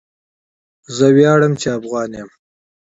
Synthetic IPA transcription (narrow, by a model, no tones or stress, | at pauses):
zəwjɑːɽəmt͡ʃeafɣɑːnem